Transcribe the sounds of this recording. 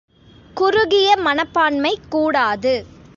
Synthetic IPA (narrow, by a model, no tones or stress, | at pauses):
kʊɾʊɣɪjɐmɐnɐpːaːɳmɐɪkːuːɽaːðɯ